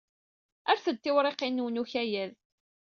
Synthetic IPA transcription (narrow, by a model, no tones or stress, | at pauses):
æɾθəd̪ːɪwɾˤeqːinːuwnuçæjæð